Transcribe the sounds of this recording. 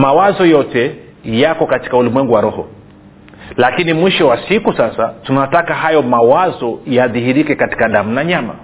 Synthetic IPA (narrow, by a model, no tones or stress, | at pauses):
mawazɔjɔtɛ | jakɔkati̥kaulimwɛŋɡuwaɾɔhɔ | lakinimwiʃɔwasikusasatunatakaɦajɔmawazɔjaðihiɾikɛkati̥kaðam̩naɲama̰